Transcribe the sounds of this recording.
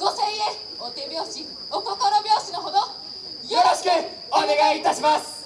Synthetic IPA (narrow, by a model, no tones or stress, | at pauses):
ɡ̥oseie | ot̪ebjoɕi | okokoɾobjoːɕinoɦod̪o | joɾoɕi̥kɯ | oneɡait̪aɕimas